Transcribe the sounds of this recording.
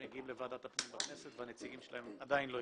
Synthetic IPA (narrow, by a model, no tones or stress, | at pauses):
meɡiimlevad̪at̪apnimbakneset̪veanet͡siɡimʃelahemad̪ainlo